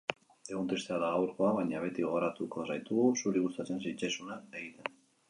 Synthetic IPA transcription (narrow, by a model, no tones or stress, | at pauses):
eɣont̪ɾist̪eaðaɣawɾko̞aβaɲaβ̞e̞t̪iɣo̞ɣoɾat̪uko̞sajt̪uɣusuɾiɣust̪at͡se̞nsit͡ʃasunaeɣit̪e̞n